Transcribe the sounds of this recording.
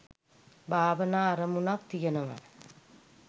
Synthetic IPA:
bʱaːʋɐnaːɐɾɐmunaːk̚t̪ɪjɐnɐmɐ̰

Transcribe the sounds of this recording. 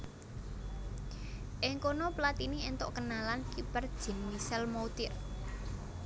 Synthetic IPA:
ʔɪŋkonɔplat̪inient̪oʔkənalankipərd̥ʒ̥ə̤nwisɛlmout̪ɪr

